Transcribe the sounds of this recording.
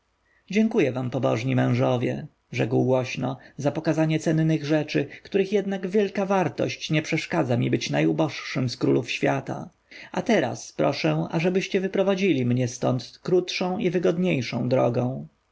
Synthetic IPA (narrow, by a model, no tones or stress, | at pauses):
d͡ʑɛŋkujɛvampɔbɔ̰ʐɲimɛ̃w̃ʐɔvʲjɛ̰ | ʐɛkwɡwɔɕnɔzapɔkazaɲɛt̪sɛnːɘɣʐɛt͡ʂɘkt̪uɾɘxjɛd̪naɡvʲjɛlkavaɾt̪ɔ̰ɕt͡ɕɲɛpʂɛʂkad̪zamʲibɘt͡ɕnajubɔʂʂɘmskɾṵlufɕfʲjat̪a̰ | at̪ɛɾa̰spɾɔʂɛ̃a̰ʐɛbɘɕt͡ɕɛvɘpɾɔvad͡ʑilʲimɲɛst̪ɔnt̪kɾut̪ʂɔ̃w̃ivɘɡɔd̪ɲejʂɔ̰̃w̃d̪ɾɔ̰ɡɔ̃w̃